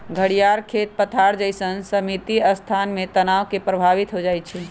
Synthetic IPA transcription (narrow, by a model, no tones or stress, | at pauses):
ɡʱəɽijaɾkʰet̪̚pət̪ʰaɾd͡ʒəjsənsəmit̪iəst̪ʰanmet̪ənawkepɾəbʱaʋit̪ɦod͡ʒajt̪t͡ʃʰi